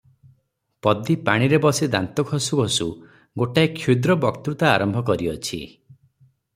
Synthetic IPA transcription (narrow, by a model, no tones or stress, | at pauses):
pɔd̪ipaɽ̃iɾebɔsid̪a̰nt̪ɔkʰɔsuɡʱɔsu | ɡoʈaekʰːjud̪ɾɔbɔkt̪ut̪aːɾɔmbʱɔkɔɾiɔt͡ʃʰḭ